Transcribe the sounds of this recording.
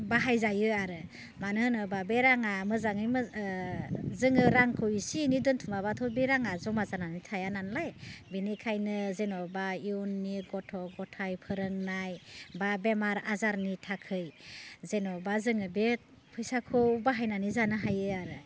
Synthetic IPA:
baɦajzajɯaɾɯ | manɯnɯbabeɾaŋamɯzaŋɯjm | zɯŋɯɾaŋkʰɯwisinidɯntʰumaβatʰɔbeɾaŋazɔmazananitʰajananlajbinikʰajnɯzenɔbaiɔnːiɡɔtʰɔɡɔtʰajpʰɯɾɯŋnajbabemaɾazaɾnitʰakʰɯjzenɔbazɯŋɯbe | pʰɯjsakʰɯwbaɦajnanizanɯɦajɯaɾɯ

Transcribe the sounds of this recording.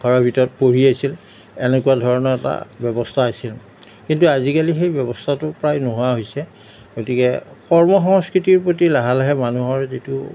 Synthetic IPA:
ɡʱɔɹɔbʱitɔɹɔt̚poɹiasil | ɛnekuadʱɔɹɔnɔɹɛta̰bjɔbɔstʰaːsil | kintuazikalixejbjɔbɔstʰatʊpɹajnoɦʊaɦojsɛ | ɡotikɛkɔɹmɔxɔŋskɹitiɹpɹotilaɦalaɦɛmanuɦɔɹzitu

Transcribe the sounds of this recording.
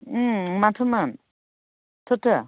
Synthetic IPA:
matʰɯman | tʰɔtʰə

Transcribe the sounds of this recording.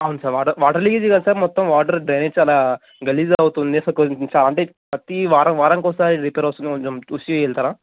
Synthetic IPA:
aːwunsaːɾʋaːʈɐɾʋaːʈɐɾlikid͡ʒiɡasaːɾmɔt̪ːɐmʋaːʈɐɾɖɾejnet͡ʃaːlaː | ɡɐlizɐwut̪und̪isɐkot͡ʃaːlaɐɳʈeː | pɐt̪iʋaːɾɐmʋaːɾɐŋkɔsaːɾiɾipeːɾɐʋst̪unikɔɲt͡ʃomusjuɛːɭt̪aːɾaː

